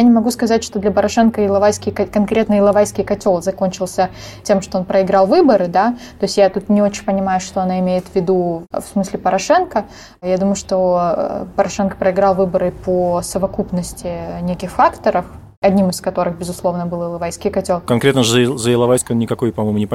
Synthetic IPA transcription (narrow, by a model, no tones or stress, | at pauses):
janʲɪmɐɡuskɐzatʲʂt̪o̞d̪lʲɐpəɾɐʂɛnkəɪlˠɐvajskʲɪjkɐkɐnkɾʲe̞t̪nəɪlˠɐvajskʲɪjkɐtʲo̞lˠzɐko̞nʲt͡ɕɪlˠsʲətʲe̞mʂt̪oonpɾəɪɡɾɑlˠvɨbəɾɨd̪at̪o̞ɪsʲjat̪ut̪nʲɪo̞t͡ɕɪnʲpənʲɪmajʊʂt̪oɐnaɪmʲejɪt̪vʲːɪd̪ufsmɨsʲlʲɪpəɾɐʂɛnkə | jad̪uməjʊʂt̪o̞pəɾɐʂɛnkə̥pɾəɪɡɾɑlˠvɨbəɾɨpʰosəvɐkupnəsʲtʲɪnʲekʲɪxfakt̪əɾəf | ɐdʲnʲimɨskɐt̪o̞ɾɨxbʲɪzʊslˠo̞vnəbɨlˠɪlˠɐvajskʲɪjkɐtʲo̞lˠkɐnkɾʲet̪nəʐzəjɪlˠɐvajskəonnʲɪkɐko̞jpɐmojmʊnʲɪp